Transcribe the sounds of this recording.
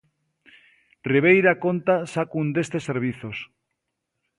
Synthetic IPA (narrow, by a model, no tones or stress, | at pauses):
riβ̞ejɾakont̪asakund̪est̪eseɾβ̞iθos